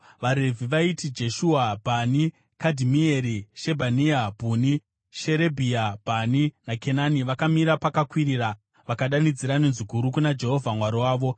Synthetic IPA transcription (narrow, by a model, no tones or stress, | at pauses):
ʋaɾe̞vʱiʋaitid͡ʒe̞ʃuwabʱani | kadʱimieɾiʃe̞bʱaniabʱuni | ʃeɾe̞bʱiabʱaninakʰe̞naniʋakamiɾapakakwiɾiːra | ʋakaɗanid͡ziɾanenzikuɾukunad͡ʒe̞ɦo̞vʱamwaɾiwaːʋo̞